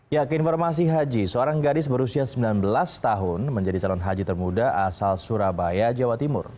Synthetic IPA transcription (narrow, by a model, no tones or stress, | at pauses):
jakəinfɔrmas̬iɦad͡ʒisəoɾaŋɡadɪs̬bəɾusiasəmbilanbəlast̪aɦʊnməɲd͡ʒadit͡ʃalɔnɦad͡ʒit̪ərmudaasalsuɾabajad͡ʒawat̪imʊ̰r